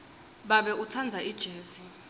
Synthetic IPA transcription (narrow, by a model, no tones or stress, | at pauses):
ɓaɓɛutʰand͡zʱaid̥ʒ̥ʱeːzi